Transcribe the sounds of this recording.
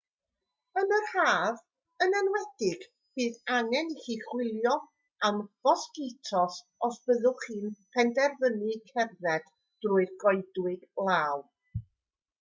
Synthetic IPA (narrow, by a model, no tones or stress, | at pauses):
ənəhaːv | ənɛnwɛd̥ɪɡ̥ | b̥iːðaŋɛniχiːχwɪlˠjɔ | amv̥ɔsɡɪtʰɔs | ɔsb̥əðʊχɨːnpʰɛndɛrvənɨkʰɛrðɛd̥ | d̥rʊːɨðɡɔɨdwɨɡ̥lˠaːw